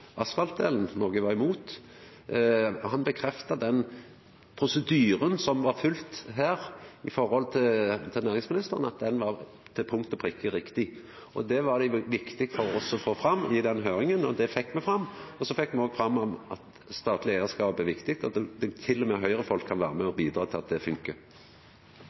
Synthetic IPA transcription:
ʔɑsfɑlt̪̚d̪ḛːln̩nɔɡəʋɑʁɪmuːt̪ | hɑnbəkʰɾɛft̪ɑd̪ɛn | pʰɾʊsəd̪yːɾənsɔmʋɑɾfʉlt̪ɦæːɾɪfɔɾhɔlt̪ʰɪt̪ʰɛnæːʁɪŋsmɪnɪst̪əʁənɑt̪̚d̪ɛnʋɑ | t̪ʰɪpʰʊŋkt̪əpʰʁɪkʰːəɾɪkt̪ɪ | ɔ̰d̪ɛʋɑʁd̪æɪʋɪkt̪ɪɡfɔɾɔsɔfoːfɾɑmːɪd̪ɛnɦøːɾɪŋənɔd̪ɛfɛkːmɛfɾɑmːɔsɔfɛkːmɛoːɡfɾɑmːɔmɑt̪ | st̪ɑːt̪lɪeːd̪əskɑːpəb̪ɛʋɪkt̪ɪɡ̚t̪ɔɛd̪ɛt̪ʰɪlːɔmɛɦœʏʁəfɔlkʰːɑnʋæ̰ːɾəmɛɔbiːd̪ɾɑːt̪ʰɪlɑt̪̚d̪ɛfʉŋkə

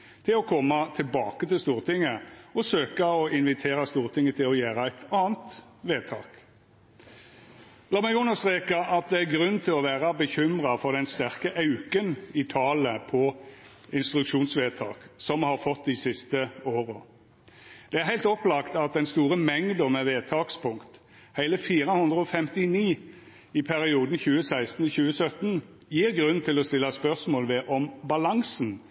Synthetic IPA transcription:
t̪ʰɪlɔkʰɔmːɑt̪ʰɪlbɑ̰ːkət̪ɪlst̪uːʁt̪ʰɪŋːəɔsøːkɑɔɪnʋɪt̪ʰeːɾɑst̪uːʁt̪ʰɪŋːət̪ʰɪlɔjæːɾɑæɪt̪ɑːnt̪ | ʋeːt̪ʰɑ̰ːk | lɑːmɛɡʉnːəʁst̪ʁeːkɑʔɑt̪̚d̪ɛæɡʁʉn̩t̪ʰɪlɔʋæːʁɑbəçʏmʁɑfɔʁd̪ɛnst̪æʁkəʔɑʉkənɪt̪ʰɑːləpʰɔ | ɪnst̪ɾʉkʃuːnsʋeːt̪ʰɑ̰ːksɔmhɑʁfɔt̪ːd̪ɪsɪst̪əoːʁə | d̪̥ɛæʁhæɪt̪ɔplɑkt̪ɑt̪̚d̪ɛnst̪uːʁəmɛŋd̪ɔmɛʋeːt̪ʰɑːkspʰʊŋkt̪ | hæɪləfiːɾəhʉnd̪ʁəɔfɛmt̪ɪniː | ɪpʰæɾɪuːd̪n̩çʉːəsæɪst̪n̩çʉːəsœt̪n | jiːʁɡʁʉn̩t̪ʰɪlɔst̪ɪlːɑspœʁsmoːlʋɛʔɔmbɑlɑŋsn̩

